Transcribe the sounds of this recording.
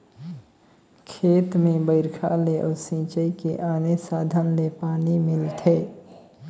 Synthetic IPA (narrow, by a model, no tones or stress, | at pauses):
kʰeːt̪mẽbəɪɾkʰa̰leʔɔːɾsĩːt͡ʃəikeʔaːnesaːd̪ʱənlepaːnimɪlt̪ʰeː